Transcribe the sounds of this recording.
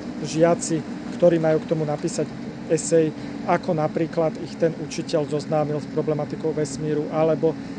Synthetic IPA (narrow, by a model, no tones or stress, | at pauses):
ʒɪat͡sikt̪ɔɾiːmajuːkt̪ɔmunapiːsaɟ | ɛsɛj | akɔnapɾiːklad̪ixt̪ɛnut͡ʃicɛlzɔznaːmilspɾɔblɛmat̪ikɔʊʋɛsmiːɾuʔalɛbɔ